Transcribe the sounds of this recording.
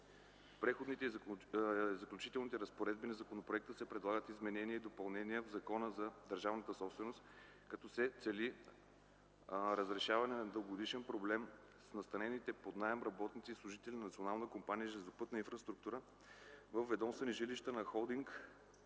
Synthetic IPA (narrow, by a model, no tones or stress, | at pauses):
pɾɛxod̪nit̪ɛ | zɐklʲʊt͡ʃit̪ɛlˠnit̪ɛɾəspoɾɛd̪binɐzɐkonopɾoɛk̚t̪əsɛpɾɛd̪lˠaɡət̪izmɛnɛniəid̪opɐlˠnɛniəvzɐkɔnəzɐd̪əɾʒavnət̪əsɔpst̪vɛnost̪ | kɐt̪ɔsɛt̪sɛli | ɾəzɾɛʃavɐnɛnɐd̪əɡod̪iʃɛnpɾoblɛm | snɐst̪ɐnɛnit̪ɛpod̪naəmɾɐbɔt̪nit̪sislˠʊʒit̪ɛlʲinɐnɐt̪sionalˠnəkompanʲijəʒɛlʲzopɤt̪nəinfɾɐst̪ɾuk̚t̪uɾə | vəfvɛd̪ɔmst̪vəniʒiliʃt̪ənɐxɔlˠd̪iŋk